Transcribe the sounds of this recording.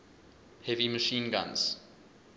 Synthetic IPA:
hɛviməʃĩːnɡã̰nz̥

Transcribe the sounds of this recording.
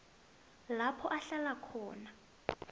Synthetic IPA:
lapʰɔʔaɬalakʰɔːna

